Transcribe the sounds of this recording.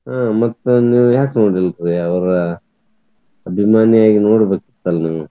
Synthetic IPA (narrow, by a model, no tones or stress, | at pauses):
ɦaːmɐt̪ːuniːʋujaːknoːɽilɾiɐʋɐɾɐ | ɐbʱimaːniaːɡinoːɽbeːkit̪ːɐlniːʋu